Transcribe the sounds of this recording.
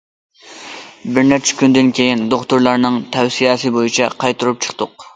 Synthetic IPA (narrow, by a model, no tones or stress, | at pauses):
bɪɾnɛɾt͡ʃʰɪ̥kʲynd̪ɪnkʲʰejind̪oχt̪ʊɾlˠɑɾnɨŋt̪ʰɛwsijɛsɨbojit͡ʃʰɑqʰɑjt̪ʰuɾup̚t͡ʃʰə̥qt̪ʊq